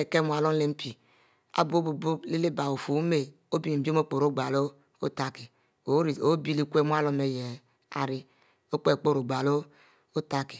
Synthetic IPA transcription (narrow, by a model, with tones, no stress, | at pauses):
e˨ke˦mu˨a˨lo˦n˦le˦m̩˦pi˨ | a̰˨˦bo˦bu˨bo˦le˦le˦ba˨o˨fu˨˦me˨ | o˦bi˦˨bo˦k͡po˨ɾo˦˨ɡ͡ba˨lo˦ | o˦ta˦ki˨˦˨ | o˦bi˦li˦kʷe˦mu˦a˦lo˦me˨je˨ | a̰˨ɾi˦ | o˦k͡pe˨k͡po˦ɾo˨ɡ͡ba˨lo˦ | o˦ta˦ki˨